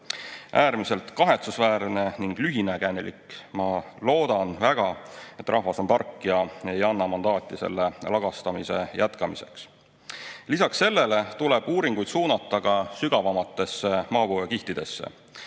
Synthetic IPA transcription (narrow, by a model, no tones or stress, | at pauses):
ʔæːɾmise̞lt̪ˑkɑɦe̞t̪susvæːɾne̞niŋɡ̥lyɦinekænelḭkmɑlo̞ːd̪̥ɑnvæɡ̥ɑe̞t̪ːˑrʔɑhvɑso̞np̪ɑrkːˑijɑejɑnːɑmɑnd̪ɑːt̪ʲːˑise̞̰lːe̞lɑɡ̥ɑst̪ɑmise̞jʔæt̪kɑmise̞̰ks | lisɑksːe̞lːe̞le̞t̪ule̞b̥uːɾiŋɡ̥ujd̪̥suːnɑt̪ːˑɑɡɑsyɡ̥ɑvɑmɑt̪ːˑe̞sːe̞mɑːbuekiht̪id̪̥e̞sːḛ